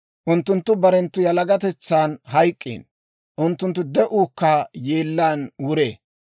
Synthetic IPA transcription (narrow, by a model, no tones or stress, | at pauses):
ʔʊnt̪ːʊnt̪ːʊbɐɾɛnt̪ːʊjɐlɐɡɐt̪ɛt͡sːaːnɦɐjkʼːḭːn | ʔʊnt̪ːʊnt̪̬ːʊd̪ɛʔuːkːajeːlːaːnwʊɾeː